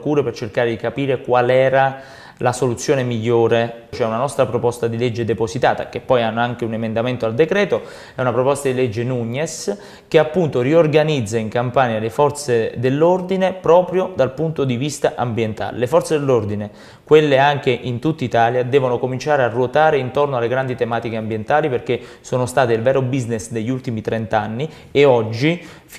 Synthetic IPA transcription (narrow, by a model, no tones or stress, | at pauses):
kuːɾepert͡ʃerkaːɾed̪ikapiːɾekwalɛːɾa | lasolut̪sːjoːnemiʎːoːɾet͡ʃoɛunanɔst̪ɾapɾopɔst̪ad̪iled͡ʒːed̪eposit̪aːt̪a̰k̟epːɔjanːoaŋk̟eunemend̪ament̪oald̪ekɾɛːt̪o | ɛunapɾopɔst̪ad̪ilɛd͡ʒːenuɲːes | k̟eapːunt̪oriorɡanid̪zːaiŋkampaːɲjalefɔrt̪sed̪elːord̪inepɾɔːpɾjod̪alpunt̪od̪ivist̪aʔambjent̪a̰ːlḛlefɔrt̪sed̪elːord̪ine | kwelːeaŋk̟eʔint̪ut̪ːait̪aːljad̪ɛːvonokomint͡ʃaːɾearːuot̪aːɾeint̪ornoalːeɡɾand̪it̪emaːt̪ikeambjent̪aːliperk̟esoːnost̪aːt̪eilvɛːɾobiznesd̪eʎːult̪imit̪ɾɛnt̪anːi | eɔd͡ʒːi